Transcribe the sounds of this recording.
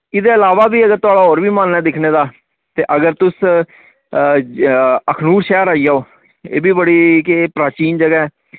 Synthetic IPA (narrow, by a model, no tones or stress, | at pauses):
ɪd̪eːɪlaːʋaːbiːəɡəɾt̪ʊaːɽaːoːɾʋiːmənɛːd̪ɪkʰneːd̪aː | t̪eːʔəɡəɾt̪ʊs | əkʰnuːɾʃɛːɾaːijaːoː | ḛːbiːbəɽiːkːpɾaːt͡ʃiːnd͡ʒəɡaːɛː